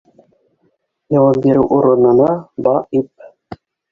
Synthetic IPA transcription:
jɤ̆wɑp̚bʲiɾɘwʔuɾɤ̆nɤ̆nɑbɑip̚

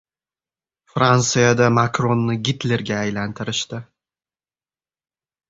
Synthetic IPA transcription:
fɾansɨjad̪amakɾo̞nːɪɡʲɪt̪leɾɡʲaːjlant̪ʰɪɾɪʃt̪ɪ

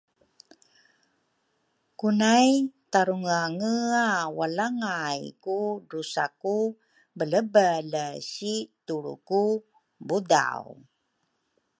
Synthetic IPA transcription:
kunajt̪aɾuŋaŋəawalaŋajkudusaku | bələbələsit̪uɭṵku | buda̰w

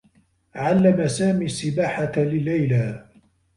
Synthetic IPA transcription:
ʕalːamasaːmiːsːɪbaːħalɪlːajlaː

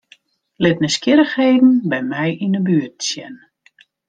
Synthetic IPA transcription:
lɪtnəskɪɾəxhejdn̩bɛjmɛjʔinəbyət̚sjɛn

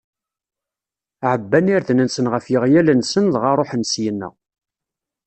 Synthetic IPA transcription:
ʕəbːæniɾðnənsənʁəfjɪʁjælənsənðʁɑɾˤoħənsjənːæ̰

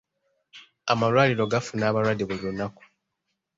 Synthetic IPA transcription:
amalwaːliɾo̞ɡafunaːβalwadːiβulilunːaku̥

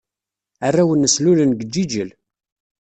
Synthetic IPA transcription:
arːæwənːəslulənɡəd͡ʒːid͡ʒəl

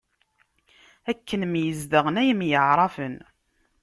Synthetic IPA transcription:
ækːənmjəzd̪əʁənæjəmjəʕɾˤɑfən

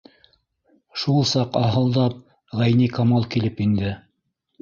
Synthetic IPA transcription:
ʃulˠsɑqɑɦɤ̆lˠd̪ɑp̚ | ʁæjnikɑmɑlˠkilɘpind̪ɘ

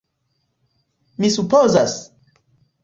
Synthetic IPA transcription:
misupozas

